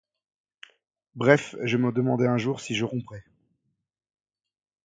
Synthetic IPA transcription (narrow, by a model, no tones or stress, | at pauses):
bʁɛfʒəməd̪əmɑ̃d̪eɛ̃ʒuʁsiʒəʁɔ̃pχɛ